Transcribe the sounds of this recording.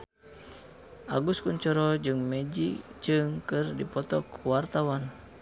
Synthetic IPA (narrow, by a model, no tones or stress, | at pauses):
ʔaɡuskuɲt͡ʃɔɾɔd͡ʒɨŋmɛd͡ʒid͡ʒɨŋkɨrdipɔt̪ɔkuwart̪awan